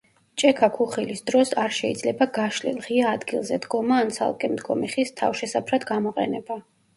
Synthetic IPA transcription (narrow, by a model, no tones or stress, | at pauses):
t͡ʃʼɛkʰakʰuχilisd̪ɾɔsaɾʃɛid̪zlɛbaɡaʃlḭlˠʁiaːd̪ɡilˠzɛd̪ɡɔmaːnt̪sʰa̰lˠkʼɛmd̪ɡɔ̰miχist̪ʰa̰fʃɛsapʰɾad̪ɡamɔqʼɛ̰nɛba